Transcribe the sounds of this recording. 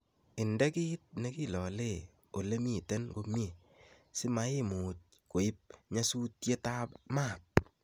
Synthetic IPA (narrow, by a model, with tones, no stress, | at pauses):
ɪ˨ndɛ˦kɪ˦t̚ne˦ki˦lɔ˨le˦˨ | o˨le˦mi˦˨tɛ˦nɡo˦m˦e˨ | sɪ˦ma˦ɪ˦muː˨t̚ | ko˨ɪ˦p̚ɲa˦su˦tje˦ta˦pma˦˨t̚